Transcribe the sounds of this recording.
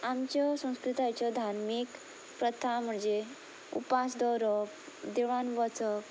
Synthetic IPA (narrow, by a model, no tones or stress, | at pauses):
amt͡ɕjɔsə̃w̃skɾit̪ajt͡ɕɔd̪ʱaɾmik | pɾət̪ʰam̤əɳd͡ze | ṵpasd̪ɔɾɔk | d̪eʋanʋɔt͡sɔk